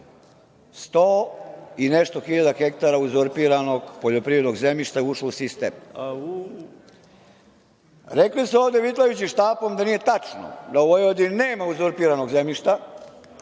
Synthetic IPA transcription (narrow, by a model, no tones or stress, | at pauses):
st̪oːineʃt̪o̞xiʎad̪axek̚t̪aɾauzoɾpiɾano̞ɡpoʎo̞pɾivɾe̞d̪noɡzemiʃt̪aɛuʃlusist̪ḛːm | ɾekliseoːvd̪eʋit̪lˠajut͡ɕiʃt̪aːpo̞md̪anije̞t̪at͡ʂno̰d̪aoʋojod̪ineːmauzoɾpiːɾanoɡzemʎiʃt̪a